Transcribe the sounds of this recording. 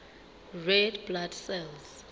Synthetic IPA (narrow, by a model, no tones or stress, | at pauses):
rɛdbladsɛlz